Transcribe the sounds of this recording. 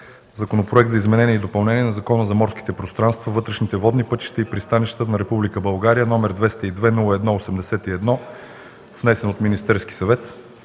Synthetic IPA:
zɐkonopɾoɛk̚t̪zɐizmɛnɛnʲiɛid̪opɐlˠnɛniɛnɐzɐkɔnəzɐmɔɾski̥t̪ɛpɾost̪ɾanst̪vɐvɤt̪ɾɛʃnit̪ɛvɔd̪nipɤt̪i̥ʃt̪ɛipɾist̪aniʃt̪t̪nɐɾɛpublikəbɐlˠɡaɾijənɔmɛɾd̪vɛst̪ɐid̪vɛnulˠəɛd̪nɔosɛmd̪ɛsɛt̪iɛd̪nɔ | vnɛsɛnot̪minist̪ɛɾski̥sɐvɛt̪

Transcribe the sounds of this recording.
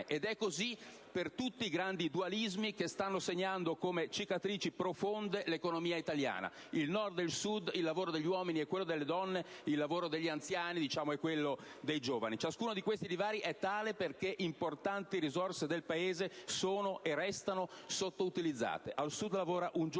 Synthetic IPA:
ʔed̪ɛkːozi | pert̪ut̪ːiːɡɾand̪id̪ualizmikest̪anːoseɲːand̪okomet͡ʃikat̪ɾiːt͡ʃipɾofond̪elekonomiːait̪alja̰ːna̰ | ilnɔrd̪ːelsud̪ilːavoːɾod̪eʎːiwɔːminiɛkːwelːod̪elːed̪ɔnːeilːavoːɾod̪eʎːiant̪sjaːnid̪it͡ʃaːmoɛkːwelːo | d̪ejd͡ʒoːvanit͡ʃaskuːnod̪ikwest̪ilivaːɾiʔɛt̪ːaːleperkeʔimport̪ant̪iɾizorsed̪elpaeːzesoːnoʔerːɛst̪anosot̪ːout̪ilid̪zːa̰ːt̪eʔalsud̪lavoːɾaʔund͡ʒ

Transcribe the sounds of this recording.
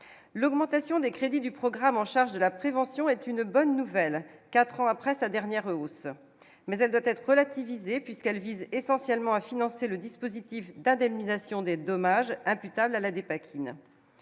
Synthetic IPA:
lɔɡmɑ̃t̪asjɔ̃d̪ekχed̪id̪ypχɔɡʁamɑ̃ʃaʁʒd̪əlapχevɑ̃sjɔ̃ɛt̪ynbɔnːuvɛlkat̪χɑ̃apχɛsad̪ɛʁnjɛʁos | mɛzɛld̪wat̪ɛt̪χəʁəlat̪ivizepɥiskɛlvizesɑ̃sjɛlmɑ̃afinɑ̃seləd̪ispozit̪ifd̪ɛ̃d̪ɛmnizasjɔ̃d̪ed̪ɔmaʒɛ̃pyt̪ablalad̪epakʲʰin

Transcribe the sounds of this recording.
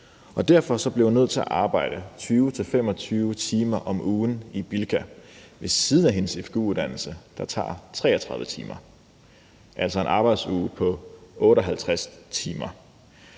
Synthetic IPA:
ʔɒ̽d̥æɐ̰fɒ̽sɒ̽b̥lehunøð̞̰ˠt͡sʰe̝æ̰ʔɑ̈ːb̥ɑ̈ɪ̰ɾ̥ət͡sʰyːʊt͡sʰe̝lfem̰ɒ̽t͡sʰyːʊət͡sʰiːmɐʔɒ̽mʔuːnib̥ilkʰæʋe̝sːiːðˠən̩æɦe̝nəsefɡ̥uuðˠd̥æn̰l̩səd̥ɑ̈t͡sʰɑ̰̈ːt͡sʰʁɛ̰ːɒt͡sʰʁɑ̈ðˠʋət͡sʰḭːmɐ | ʔæl̰sɒe̝nʔɑ̈ːb̥ɑ̈ɪd̥suːpʰɒ̽ʔɔːɾɒɦælt͡sʰʁast͡sʰiːmɐ

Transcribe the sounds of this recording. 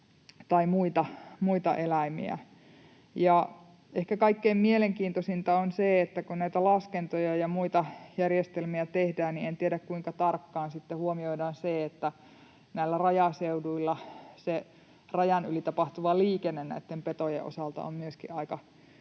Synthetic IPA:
t̪ɑimuit̪ɑmuit̪ɑ̰ʔelæimḭæ̰ | jɑ | ehkækɑikːeiːmmieleŋkiːnt̪osint̪ɑonseet̪ːækunnæit̪ælɑskent̪ojɑjɑmuit̪ɑjærjest̪elmiæt̪ehdæːnnient̪ieɾækkuiŋkɑt̪ɑrkːɑːnsit̪ːehuomioidɑːnseet̪ːæ | næilːˑærɑjɑseuduilːɑse | rɑjɑnylit̪ɑpɑht̪uʋɑliːkenːennæ̰it̪ːempet̪ojḛʔo̰sɑlt̪ɑ̰o̰mmyøskḭʔʔɑikɑ

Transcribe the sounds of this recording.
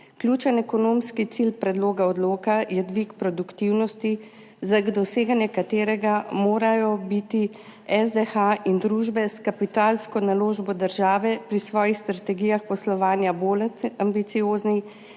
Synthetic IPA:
klʲjuːt͡ʃɛnɛkɔnoːmskit̪silpɾɛd̪loːɡaɔd̪loːkajɛd̪ʋikpɾɔd̪ukt̪iwnɔst̪i | zaɡd̪ɔseːɡanjɛkat̪eːɾɛɡamoːɾajɔbit̪iɛzd̪ɛxaʔind̪ɾuːʒbɛskapit̪aːlskɔnaloːʒbɔd̪əɾʒaːʋɛpɾisʋɔːjixst̪ɾat̪ɛɡijaxpɔslɔʋaːnjaboːlambit̪sijoːzni

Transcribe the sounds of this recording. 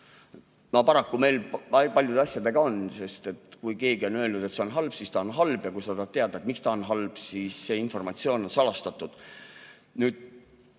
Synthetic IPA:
mɑpɑɾɑkːume̞jlɑpɑlʲjud̪̥eɑsjɑd̪e̞ɡ̥ɑo̞nse̞st̪e̞t̪kujke̞ːɡio̞nø̞ːlnud̪e̞t̪se̞onɦɑlb̥sist̪ɑonɦɑlb̥jɑkujsɑd̪̥ɑt̪e̞ɑd̪et̪ˑmikst̪ɑonɦɑlb̥sisːe̞info̞rmɑt̪sio̞ːno̞nsɑlɑst̪ɑt̪ːud̪̥ | nyːd̪̥

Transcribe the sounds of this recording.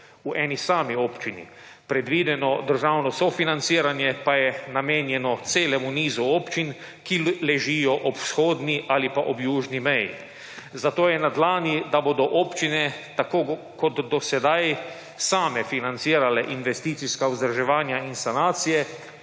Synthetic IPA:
uʔɛːnisaːmiɔːpt͡ʃinḭ | pɾɛd̪ʋiːd̪ɛnɔd̪əɾʒawnɔsɔfinant̪siːɾanjɛpajɛnameːnjɛnɔt̪seːlɛmuniːzuɔːpt͡ʃin | kilɛʒijɔʔɔpsxoːd̪niʔalipaʔɔbjuːʒnimɛjḭ | zat̪oːjɛnad̪laːnid̪aboːd̪ɔʔɔːpt͡ʃinɛt̪akoː | kɔt̪ːɔsɛd̪aj | saːmɛfinant̪siːɾalɛʔinʋɛst̪iːt̪siskauzd̪ɾaʒɛʋaːnjainsanaːt̪sijɛ

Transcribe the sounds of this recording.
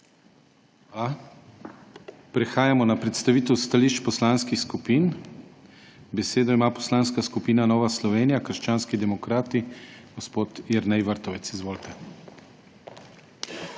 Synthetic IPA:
a | pɾɛxaːjamɔnapɾɛt̪st̪aʋiːt̪ɛwst̪aliːʃt͡ʃpɔslaːnskixskupiːn | bɛseːd̪ɔimaːpɔ̥slaːnskaskupiːnanɔːʋaslɔʋeːnijakəɾʃt͡ʃaːnskid̪ɛmɔkɾaːt̪iɡ̥ɔspoːt̪jɛɾnɛjʋəɾt̪ɔʋɛt̪sizʋoːlt̪ɛ

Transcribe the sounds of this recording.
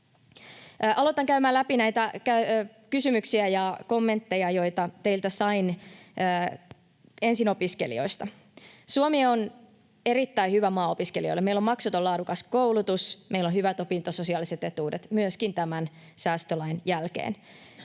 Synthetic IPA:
ʔɑlot̪ɑŋkæymæːlæpinæjt̪ækæ | kysymyksiæjɑko̞mːe̞nt̪ːe̞jɑjo̞jt̪ɑt̪e̞ilt̪æsɑinəː | e̞nsino̞piskḛlḭo̞̰ist̪ɑ | suomieon | eɾit̪ːæihyʋæmɑːopiskelio̰lːemeilo̞mmɑksut̪olɑːdukɑskowlut̪usmeilːonhyʋæt̪o̞pint̪oso̞siɑːliset̪e̞t̪uːdet̪myøskint̪æmæn | sæːst̪ølɑinjælkḛːn

